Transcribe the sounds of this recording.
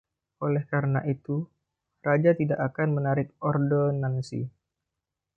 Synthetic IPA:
ʔolɛhkaɾənaʔit̪u | rad͡ʒat̪idaʔakanmənaɾɪk̚ɔrdonansḭ

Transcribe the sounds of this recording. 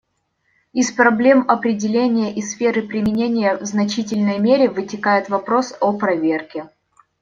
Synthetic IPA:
ispɾɐblʲe̞mɐpɾʲɪdʲɪlʲenʲɪjəʔisfʲe̞ɾɨpɾʲɪmʲɪnʲenʲɪjəvznɐt͡ɕit̬ʲɪlʲnəjmʲeɾʲɪvɨtʲɪkajɪt̪vɐpɾo̞sopɾɐvʲerkʲɪ

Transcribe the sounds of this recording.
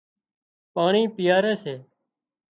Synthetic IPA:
paːɳiːpɪjaːɾeːseː

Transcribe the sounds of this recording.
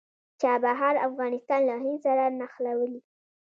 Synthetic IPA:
t͡ʃabaɦaɾafɣɑnɪst̪ɑnlɑɦinsaɾanaxlawəli

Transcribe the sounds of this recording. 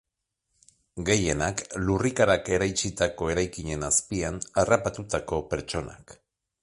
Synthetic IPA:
ɡe̞je̞naklurikaɾake̞ɾajt͡ʃit̪ako̞e̞ɾajkiɲe̞naspianarapat̪ut̪ako̞pe̞ɾt͡ʃo̞na̰k

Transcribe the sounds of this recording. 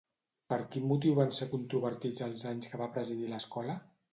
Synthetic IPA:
pəɾkinmut̪̬iwβansekunt̪ɾuβəɾt̪id͡zəlˠzaɲskəβapɾəziðiləskɔlə

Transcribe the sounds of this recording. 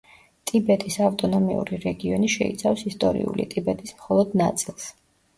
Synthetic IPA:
t̪ʼibɛt̪ʼisavt̪ʼɔnɔmiṵɾiɾɛɡiɔniʃɛḭt̪sʰafsist̪ʼɔɾḭṵlḭt̪ʼibɛt̪ʼismχɔlˠɔd̪nat̪sʼilˠs

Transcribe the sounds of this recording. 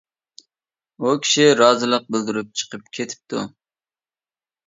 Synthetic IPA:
ukʲʰi̥ʃiɾɑːzɨlˠəq̚bɪld̪ɪɾɪp̚t͡ʃʰə̥qʰəp̚kʲʰet̪ʰɪ̥p̚t̪ʰṵ

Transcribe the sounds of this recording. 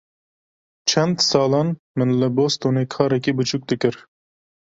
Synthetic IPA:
t͡ʃʰɛnd̪sɑːlɑn | mɨnlɛbost̪onekʰɑːɾɛkibɨt͡ʃʰuk̚d̪ɨkʲɨɾ

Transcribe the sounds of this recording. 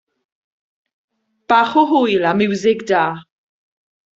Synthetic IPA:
b̥aːχɔɦʊjlˠamɪwzɪɡdaː

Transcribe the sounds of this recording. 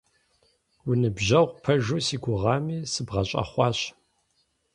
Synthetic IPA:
wʊnɨbʑɐʁʷpʰɐʒuːsiːɡʷʊʁɑːmiːsɨbʁɐɕʼɐ̰χʷɑːɕ

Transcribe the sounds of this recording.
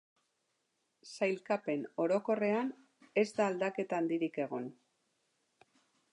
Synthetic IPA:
sajlkape̞no̞ɾo̞ko̞re̞an | e̞zd̪aːld̪ake̞t̪aːnd̪iɾike̞ɣ̞o̞n

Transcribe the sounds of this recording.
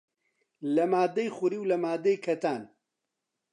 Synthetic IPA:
lɐmaːd̪ejxuɾiːwlɐmaːd̪ejkʰɛt̪aːn

